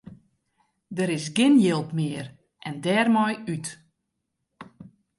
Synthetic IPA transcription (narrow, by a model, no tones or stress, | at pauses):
dəɾɪsɡɪnjɪlˠpmɪːər | ʔɛndɛːrmɔjyt